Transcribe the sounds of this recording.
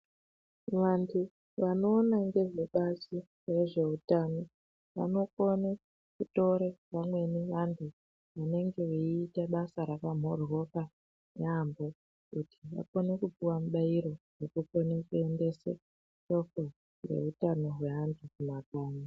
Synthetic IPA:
ʋantʰu | ʋano̞ːnaŋɡe̞ʐe̞ɓasi | reʐe̞utano̞ | ʋa̰no̞kone | kuto̞ɾeʋamwe̞niʋantʰu | ʋane̞ŋɡe̞ʋeiːtaɓasaɾakam̤o̞ro̞ka | neambo̞ | kutʰi̥ʋa̰konekupiwamuɓaiɾo̞rekukonikue̞nde̞se | ʃo̞ko | re̞̰utano̞ɦwe̞ɦantʰukumakaːna

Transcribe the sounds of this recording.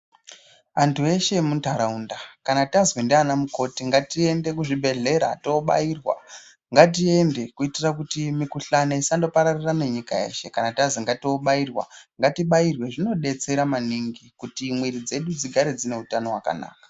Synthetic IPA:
antʰue̞ʃe̞muntaɾaundakanatazwendeanamuko̞tiŋɡatie̞nde̞kuʐibʱe̞ɮe̞ɾa̰to̞ɓa̰irwa̰ | ŋɡat̬ie̞nde̞kuitirakutimikuɬanaisando̞paɾarirane̞ɲikajḛʃe̞kanatazweŋɡatoɓairwa̰ŋɡatiɓairwe̞ʐino̞ɗe̞t͡se̞ɾamaniŋɡikutimwiɾid͡ze̞ɗud͡ziɡʱaɾed͡zine̞utano̞waka̰na̰ːkḁ

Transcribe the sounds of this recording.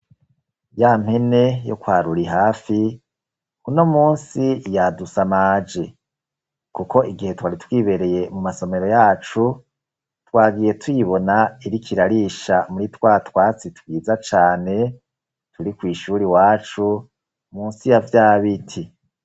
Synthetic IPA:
jam̥hene̞jo̰kwaːɾuɾiɦaːfi | kuno̞muːnsijadusamaːd͡ʒe̞ | kuko̞ʔiɡihe̞twaːɾitwiːβe̞ɾe̞je̞mumaso̞meɾo̞jaːt͡ʃu | twaːɡije̞twiβo̞naiɾikʰiɾaɾiːʃamuɾitwaːtwaːt͡sitwiːzat͡ʃaːne̞ | tuɾikwiːʃuɾiwaːt͡ʃu | muːnsijavjaːβitʰi

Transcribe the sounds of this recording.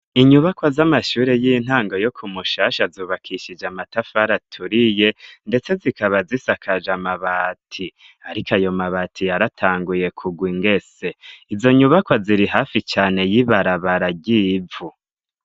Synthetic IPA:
iɲuβakwazamaʃuːɾe̞jin̥haːŋɡo̞jo̞kʰumuʃaːʃazuːβakʰiʃid͡ʒamatafaɾatʰuɾije̞nde̞t͡se̞zikaβazisakʰad͡ʒamaβatʰi | aɾikajo̞maβatʰijaɾatʰaːŋɡuje̞kʰuɡwiŋɡe̞se̞izo̞ɲuβakwaziɾiɦaːfit͡ʃaːne̞jiβaɾaβaɾaɟivu

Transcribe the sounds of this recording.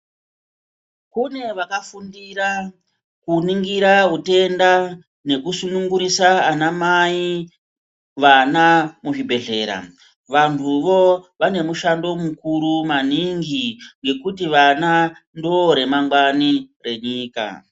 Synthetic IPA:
kune̞ʋakafundiɾa | kuniŋɡiɾaɦute̞nda | ne̞kusunuŋɡuɾisaːnamai | ʋanamuʐibʱe̞ɮe̞ːɾa̰ | ʋantʰuʋo̞ʋane̞muʃando̞mukuɾumaniŋɡiŋɡe̞kutiʋana | ndoɾe̞maŋɡwanire̞ɲiːka̰

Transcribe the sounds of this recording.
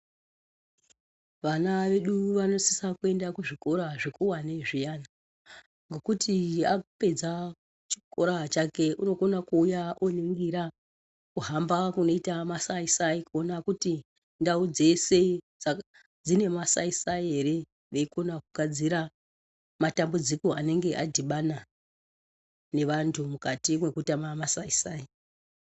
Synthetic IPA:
ʋanaʋe̞ɗuʋano̞si̥sakue̞ndakuʐiko̞ɾaʐekuwaneʐijana | ŋɡo̞kutʰiape̞d͡za | t͡ʃi̥ko̞ɾat͡ʃake̞ʔuno̞ko̞nakuːjaʔoniŋɡiɾa | kuɦambakuno̞itamasaisaikuonakuti | ndaud͡ze̞se̞d͡za | d͡zine̞masaisaiɦe̞ɾe̞ | ʋe̞iko̞nakuɡʱad͡ziɾa | matambud͡ziko̞ane̞ŋɡe̞ʔadʱiɓana | ne̞ʋantʰumukatimwe̞kutamamasaisaːi

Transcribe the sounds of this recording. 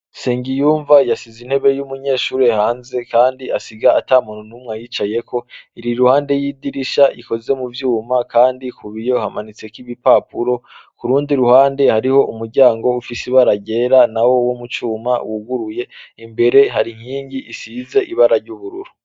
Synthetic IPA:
se̞ːŋɟijuːɱvajasizin̥he̞βe̞jumuɲe̞ːʃuːɾehaːnze̞kaːndiasiɡaataːmunonumŋajit͡ʃaje̞kʰo̞iɾiɾuhaːnde̞jiːdiɾiʃaʔiko̞ze̞muvjuːmakaːndikuβijo̞hamanit͡se̞kiβipapuɾo̞kuɾuːndiɾuhaːnde̞haɾiho̞ʔumuɾɟaːŋɡo̞ufisiβaɾaɟe̞ːɾanawo̞womut͡ʃuːma̰wuɡuɾuje̞imbe̞ɾe̞ɦaɾiŋ̥iːɲɟiʔisize̞ʔiβaɾaɾɟuβuɾuɾu̥

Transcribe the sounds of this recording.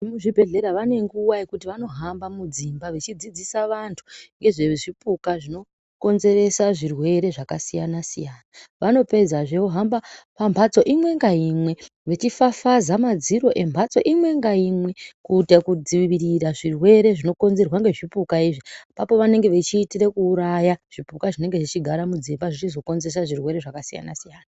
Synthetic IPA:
muʐibʱe̞ɮe̞ɾaʋane̞ŋɡuwaekutiʋano̞ɦambamud͡zimbaʋet͡ʃid͡zid͡zisaʋantʰu̥ŋɡe̞ʐeʐipukaʐino̞ | ko̞nze̞ɾe̞saʐirwe̞ɾe̞ʐakasijanasḭjaːnaʋano̞pe̞d͡zaʐe̞oɦambapambʱat͡so̞ʔimwe̞ŋɡaimwe̞ | ʋe̞t͡ʃifafazamad͡ziɾo̞ʔe̞mbʱat͡so̞̰ʔimwe̞ŋɡaimwe̞kutekud͡ziʋiɾiraʐirwe̞ɾe̞ʐino̞ko̞nze̞rwaŋɡe̞ʐipukaiːʐipapo̞ʋane̞ŋɡe̞ʋet͡ʃiːtirekuːɾajaʐ̥ipukaʐine̞ŋɡe̞ʐit͡ʃiɡʱaɾamud͡zimbaʐit͡ʃizo̞ko̞nzes̬aʐirwe̞ɾe̞ʐakasija̰na̰sijaːna

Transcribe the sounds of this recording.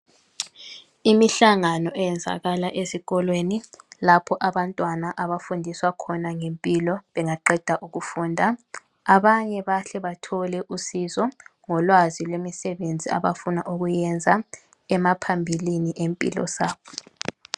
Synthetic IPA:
imiɬaŋanɔʔɛjɛnd͡zʱa̰ɣalaʔeziɣɔlwenilapʰɔʔaβantʼwanaʔaβafundʱiswakʰɔnaŋempʼilɔβɛŋaǃɛd̥ʱaʔuɣufuːndʱa | aβaɲɛβaɬɛβatʰɔlɛʔusizɔŋɔlwazilwemisɛβend͡zʱia̰βafunaʔuɣujɛnd͡zʱa | ɛmapʰambʱiliniʔempʼḭlɔ̰saːβɔ

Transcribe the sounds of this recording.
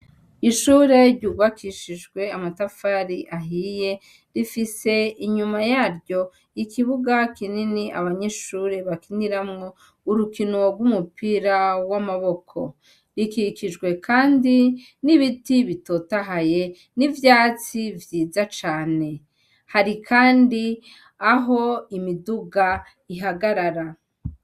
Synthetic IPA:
iʃuːɾe̞ɾɟuɡwakʰiʃiʒɡwe̞amatafaɾiʔaɦije̞ | ɾifise̞iɲumajaːɾɟo̞ | ikiβuɡakininiʔa̰βaɲe̞ʃuːɾe̞βakiniɾamŋo̞ | uɾukino̞ɾɡwumupiɾawamaβo̞kʰo̞̰ | ɾikikiʒɡwe̞kʰaːndi | niβitiβito̞taɦaje̞ | nivjaːt͡sivjiːzat͡ʃaːne̞ | haɾikʰaːndi | aɦo̞imiduɡa | iɦaɡaɾaɾa

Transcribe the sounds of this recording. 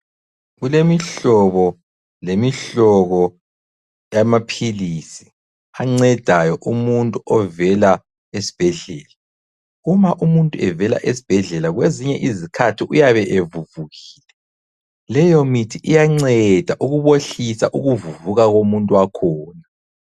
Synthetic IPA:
ɣulemiɬɔβɔ | lemiɬɔɣɔ | jamapʰilisi | aŋ͡ǀɛd̥ʱajɔʔumuntʼuʔɔvɛla | esi̥b̥ʱɛɮɛːla | umaʔumuntʼuɛvɛla̰ʔesi̥b̥ʱɛɮɛlaɣweziɲɛʔizikʰatʰiʔujaβɛʔevuvuɣiːlɛ | lɛjɔmitʰiʔijaŋ͡ǀɛd̥ʱaʔuɣuβoɬisa̰ʔuɣuvuvuɣaɣomuntʼuwakʰɔːna

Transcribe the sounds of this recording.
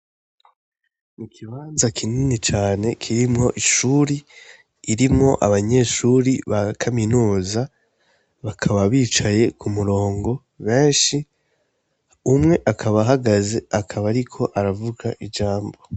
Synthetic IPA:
mikʰiβaːnzakʰininit͡ʃaːne̞kʰiɾimŋo̞ʔiʃuɾiː | ɾimŋo̞ʔa̰βaɲe̞ʃuɾiβakʰaminuːza | βakʰaβaβiːt͡ʃaje̞kumuɾo̞ːŋɡo̞ | βe̞ːnʃi | umŋe̞ʔakʰaβaɦaɡaze̞akʰaβaɾikʰo̞ʔaɾavuɡaʔid͡ʒaːmbo̞

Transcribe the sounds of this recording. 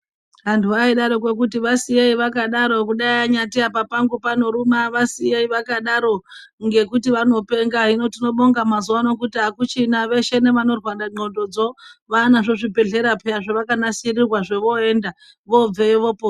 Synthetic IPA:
ɦantʰuaiɗaɾok̬we̞k̬utiʋasijeiʋakaɗaɾo̞kuɗaiaɲatiapapaŋɡupano̞ɾumaʋasijeiʋakaɗaɾo̞ | ŋɡe̞kutiʋano̞pe̞ŋɡaɦino̞tino̞ɓo̞ŋɡamazuwano̞kutiɦakut͡ʃinaʋe̞ʃe̞ne̞ʋano̞rwaɗaŋ͡ǃo̞do̞d͡zo̞ʋanaʐo̞ʐibe̞ɬe̞ɾapeaʐeʋakanasirirwaʐe̞ʋo̞e̞ːnda | ʋo̞b͡veʋo̞po

